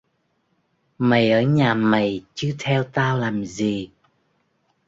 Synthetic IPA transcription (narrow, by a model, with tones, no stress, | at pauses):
mə˨˩jʔəː˧˩˦ɲaː˨˩mə˨˩jt͡ɕɨ˧˦t̪ʰɛ˧wt̪aː˧wlaː˨˩mzi˨˩